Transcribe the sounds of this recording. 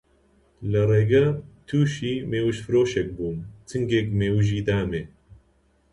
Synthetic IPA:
lɨreːɡɐt̪ʰuːʃiːmeːwɨʃfɨɾoːʃɛk̚buːnt̪ʰɨŋɡekmeːwɨʒiːd̪aːmeː

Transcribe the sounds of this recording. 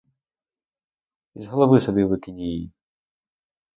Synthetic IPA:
izɣɐlˠavɨsɔbʲivɨkʲinʲiji

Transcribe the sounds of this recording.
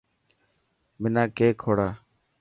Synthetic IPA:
mɪnãːkeːkʰoːɽaː

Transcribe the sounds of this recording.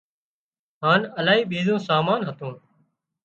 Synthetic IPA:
ɦaːnəlaːɦiːɓiːzõːsaːmaːnɦət̪õː

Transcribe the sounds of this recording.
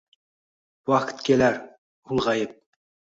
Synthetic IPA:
wɑqt̪kʲʰelæɾ | ulˠʁɑjəp̚

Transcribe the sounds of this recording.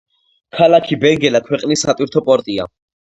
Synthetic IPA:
kʰalakʰibɛŋɡɛlakʰwɛqʼnisːat̪ʼwiɾt̪ʰɔpʼɔɾt̪ʼia̰

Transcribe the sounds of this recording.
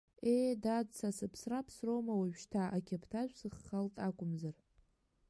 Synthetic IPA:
ejdadt͡sʰasɨpʰsrapʰsrowmawaʒᶣʃtʰaʔakʲʰapʰtʰaʒʷʰʼsɨχːaltʼakʷʼʊmzar

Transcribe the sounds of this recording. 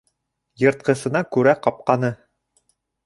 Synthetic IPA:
jɤ̆ɾt̪̚qɤ̆sɤ̆nɑkʉɾæqɑp̚qɑnɤ

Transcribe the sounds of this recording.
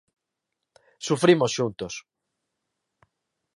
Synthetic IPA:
sufɾimosʃunt̪os

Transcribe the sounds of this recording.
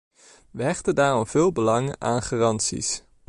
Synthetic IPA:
ʋəɦɛχtəndaːrɔmv̥ɪːlˠbəlɑŋʔaːnχaːrɑntsḭs

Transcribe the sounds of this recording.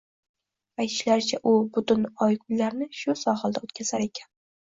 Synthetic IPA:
ajt̪ʰɪ̥ʃlaɾt͡ʃʰaʔʊbʊt̪ʊnɒjɡʊllaɾnɪʃʊsɒhɑlˠd̪aot̪kʲʰaz̥aɾe̞kʲʰan

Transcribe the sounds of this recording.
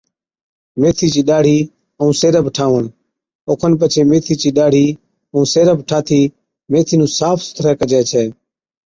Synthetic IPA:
meːt̪ʰiːt͡ʃiːɗaːɽ̤iː | əũːseːɾəbʱʈʰaːʋəɳ | oːkʰənp̬ət͡ʃʰeːmeːt̪ʰiːt͡ʃiːɗaːɽ̤iː | əũːseːɾəbʱʈʰaːt̪ʰiː | meːt̪ʰiːnũːsaːpʰsʊ̥t̪ʰɾɛːkəd͡ʒɛːt͡ʃʰɛː

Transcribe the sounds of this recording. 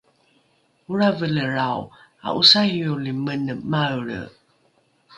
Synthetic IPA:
uɾavələɾawa̰ʔusaijulimənəmaəɭə̰

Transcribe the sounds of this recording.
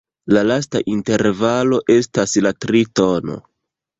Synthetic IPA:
lalas̬ta̰ʔinte̞ɾvalo̞ʔe̞staslatɾito̞no̞̰

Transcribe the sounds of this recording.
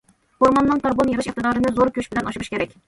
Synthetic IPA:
hoɾmɑnːɨŋt̪ʰɑɾbonjeʁɨʃiqt̪ɨd̪ɑːɾɨnɨzoɾkʲʰøʃbɪlɛnɑʃuɾuʃkʲʰeɾɛkʲ

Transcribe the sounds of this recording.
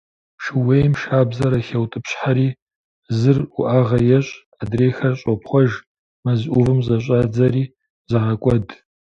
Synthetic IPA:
ʂɨwejmʃaːbzɐɾɐxɐwtʼɨpɕħaɾiː | zɨrʊ̰ʔaːʁɐjɛɕʼ | adreːxɐrɕʼɔpχʷɔʒ | mɐzʔʊvɨmzɐɕʼaːd͡zɐriː | zɐʁɐkʷʼɔd

